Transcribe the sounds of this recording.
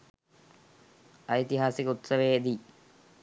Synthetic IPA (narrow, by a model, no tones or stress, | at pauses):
ɐit̪iɦaːsikut̪sɐʋeːd̪i